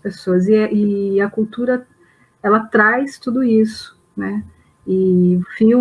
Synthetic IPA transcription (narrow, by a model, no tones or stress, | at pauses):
pesoɐzɪʔɪɐkuwt̪uɾɐ | ɛlɐt̪ɾajst̪ud̪ʊisʊ̥ | nɛ | ɪfĩ